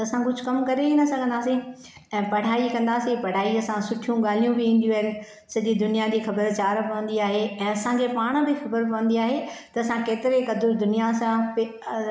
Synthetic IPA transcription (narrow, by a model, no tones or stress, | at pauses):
t̪ɐɐsãkʊd͡ʑʱkɐmkɐɾeinɐsɐɡʱə̃nd̪aːsi | ɛ̃ːpɐɽ̤aːikɐ̃nd̪aːsipɐɽ̤aːiɐsãsʊʈʰijũɠaːl̤ijũbɪʋĩːn̆d̪jũɦɐɦɪnɪ̆ | sɐʄid̪ʊnijad͡ʑiːxɐbəɾt͡ɕaːɾpɐə̃nd̪iaːɦeɛ̃ːɐsãkʰepaːɽ̃bɪxɐbəɾpɐʋə̃nd̪iaːɦet̪ɐːsãkeːt̪ɪɾekɐd̪ʊɾd̪ʊnijasãp